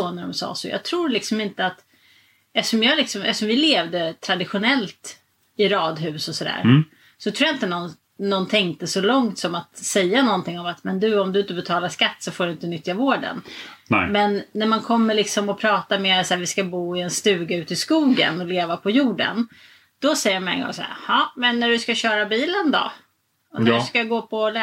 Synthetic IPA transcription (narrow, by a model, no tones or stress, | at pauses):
soːnæɖɔ̰msɑ̰ːsɔ̰jɑ̰ɡt̪ʰɾuːɾlɪksɔmɪnt̪əat̪ | ɛʂɔmjɑlɪksɔmɛ̰sɔmvɪleːvd̪ət̪ʰɾad̪ɪɧʊnɛlt̪ | ɪɾɑːd̪ɦʉ̟ːsɔsɔd̪æ̰ːɾ | sɔt̪ʰɾuːjaɪnt̪ənɔn | nːɔnt̪ʰɛŋk̚t̪əsɔlɔŋt̪sɔmat̪sɛjːanɔnt̪ɪŋːɔmat̪mɛnd̪ɵɔmd̪ɵɪnt̪əbɛt̪ʰɑːlaʂkat̪ːsɔfoːɖɵɪnt̪ənʏt̪ːjavoːɖə̰nmɛnːæɾmankʰɔmːəɭɪksɔmɔpʰɾɑːt̪ameːɾat̪sæːɾvɪskabuːɪɛnst̪ʉ̟ːɡaʉ̟ːt̪ɪskuːɡə̰nɔleːvapʰɔjuːɖə̰n | d̪̥ɔsɛjːəɾmaɛ̰nɡɔ̰ŋsɔ̰æ̰hɑmɛnːæɖɵskaɕœːɾabiːlənd̪ɔ̰ | ɔnæɖskaɡoːpʰɔlɛ